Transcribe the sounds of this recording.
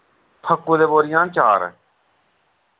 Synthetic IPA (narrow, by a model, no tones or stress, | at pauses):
p̪ʰəkːuːd̪eːboːɾɪjãːt͡ʃaːɾ̰